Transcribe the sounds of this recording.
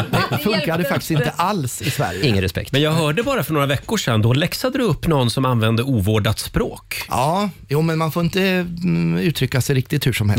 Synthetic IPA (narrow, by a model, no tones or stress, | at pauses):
fɵŋkad̪əfakt̪ɪ̥st̪ɪnt̪əʔalsɪsvæ̰ɾjəɪŋːənɾɛspɛ̰k̚t̪mɛnjɑːɡɦœːɖəbɑːɾafœɳoːɾavɛkːʊʂɛnd̪ɔlɛksad̪əd̪ɵɵpːnɔnːsɔmanvɛnd̪əuːvoːɖat̪spɾo̰ːkjʔɑːjuːmɛnmanfoːɾɪnt̪ə | ʉ̟ːt̪ʰɾʏkːasɛjɾɪk̚t̪ɪt̪hʉʂɔmhɛ̰